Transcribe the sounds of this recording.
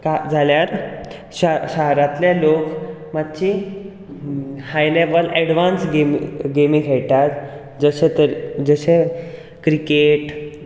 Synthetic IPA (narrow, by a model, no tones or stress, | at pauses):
kad͡zʱaljaɾ | aɕəɦɾat̪ljalok | mad̪̚t͡ɕi | hajleʋəlɛɽʋansɡemɡemiɡʱeɭʈ̪at̪ | d͡zəɕẽt̪əɾd͡zəɕe | kɾikeʈ